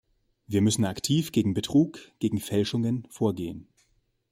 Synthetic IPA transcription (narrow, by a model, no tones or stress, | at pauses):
viːɐmʏsn̩aktʰiːfɡ̥eːɡŋ̩bətʁ̥uːkɡ̥eːɡŋ̩fɛlʃʊŋənfoːɐɡeːən